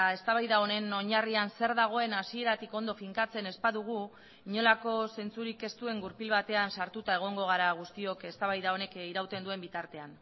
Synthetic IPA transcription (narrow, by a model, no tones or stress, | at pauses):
e̞st̪aβajðao̞ne̞no̞ɲarianse̞ɾðaɣ̞o̞e̞nasie̞ɾat̪iko̞nd̪o̞fiŋkat͡se̞ne̞spaðuɣ̞u | iɲo̞lako̞se̞nt͡suɾike̞st̪ue̞ŋɡuɾpilβat̪e̞ansaɾt̪ut̪ae̞ɣ̞o̞ŋɡo̞ɣ̞aɾaɣust̪io̞ke̞st̪aβajðao̞ne̞kiɾawt̪e̞nd̪ue̞mbit̪aɾt̪e̞an